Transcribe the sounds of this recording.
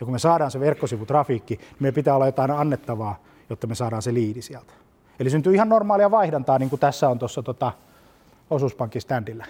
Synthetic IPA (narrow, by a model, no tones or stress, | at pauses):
jɑkumesɑːɾɑːnseʋerkːosiʋut̪rɑfiːkːinimepit̪æːolːɑjot̪ɑinɑnːet̪ːɑʋɑː | jot̪ːɑmesɑːɾɑːnseliːdisiælt̪æ̥ | elisynt̪yːihɑnnormɑːliɑʋɑihdɑnt̪ɑːniːŋkut̪æsːæont̪osːɑt̪ot̪ɑ | osuspɑŋkist̪ændilːæ